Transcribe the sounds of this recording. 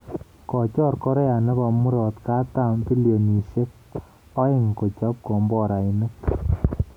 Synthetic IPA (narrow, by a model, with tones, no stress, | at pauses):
kɔ˨t͡ʃɔ˦ɾkɔ˦ɾɛ˦ja˨nɛ˦ba˧˨mu˦ɾɔ˨tka˦ta˦mpi˦lio˨ni˨se˦k̚ | ɔ˦ɪ˦ŋko˨t͡ʃa˦p̚kɔ˨mbɔ˦˨ɾa˨ɪ˨nɪ˦k